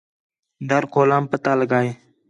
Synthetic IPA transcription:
d̪əɾkʰoːlaːmpət̪aːləɡaːeː

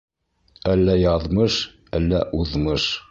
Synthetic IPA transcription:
ælːæjɑðmɤʃ | ælːæʔuðmɤʃ

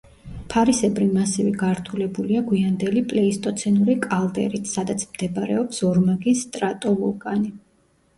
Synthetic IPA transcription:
pʰaɾisɛbɾimasɛvɛɡaɾt̪ʰulɛbuliaɡwiand̪ɛlipʼlɛist̪ʼɔt̪sʰɛnuɾikʼalˠd̪ɛ̰ɾit̪ʰsad̪at̪sʰmd̪ɛbaɾɛ̰ɔpsɔɾmaɡisːt̪ʼɾat̪ʼɔvukʼani

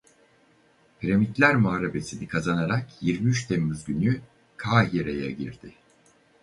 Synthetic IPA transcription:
pʰiɾemit̪lʲæɾmoaːɾabe̞sinikʰazanaɾakjiɾmiyt͡ʃt̪ʰemːyzɟyny | kʰaːɦiɾeja̰ɟiɾd̪̥ɪ

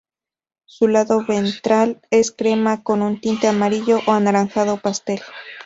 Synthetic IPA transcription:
sulaðoβent̪ɾale̞skɾe̞mako̞nunt̪int̪eamaɾiʎoʔoanaɾanθaðopast̪e̞l

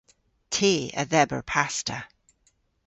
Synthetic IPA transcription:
tʰeːə̰ðɛbə̰ɹpʰastə

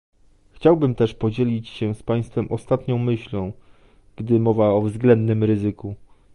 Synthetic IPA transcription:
xt͡ɕawbɘmt̪ɛʂpɔd͡ʑelʲit͡ɕɕɛ̃spaj̃st̪fɛmʔɔst̪at̪ɲɔ̃w̃mɘɕlɔ̃w̃ | ɡ̥d̪ɘmɔvaɔvzɡlɛnd̪nɘmɾɘzɘku

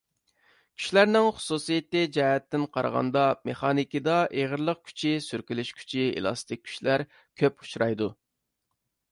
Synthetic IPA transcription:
kʲʰy̥ʃlæɾnɪŋχʊ̥susijet̪ːɪd͡ʒɑːhɛt̪ːɪnqʰɑ̰ɾʁɑ̰nd̪ɑmeχɑnikʲid̪ɑʔeʁəɾlˠəq̚kʲʰy̥t͡ʃʰisyɾkʲylyʃkʲʰy̥t͡ʃʰiḛlˠɑ̰st̪ʰɪk̚ʲʰːy̥ʃlæɾ | kʲʰøpu̥ʃɾɑjd̪u

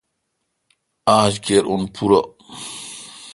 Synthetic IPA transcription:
ʔaːd͡ʒkɛɾʔɔnpʰuɾa

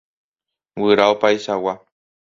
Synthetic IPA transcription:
wɨɾaopajʃawa

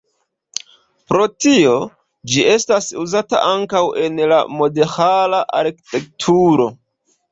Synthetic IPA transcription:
pɾo̞tio̞ | d͡ʒiʔe̞stasuzata̰ʔaŋkawe̞nla̰mo̞dexalaʔaɾki̥te̞k̚tʰuɾo̞

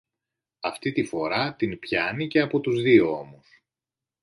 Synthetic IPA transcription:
ɐft̪it̪ifo̞ɾɐt̪inpçɐnice̞ɐpo̞t̪uzðioo̞mus

